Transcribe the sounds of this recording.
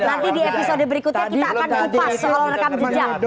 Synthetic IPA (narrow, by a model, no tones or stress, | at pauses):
nant̪idiepisodəbəɾikut̪ɲakit̪aːkanupassəolaɾəkamd͡ʒəd͡ʒa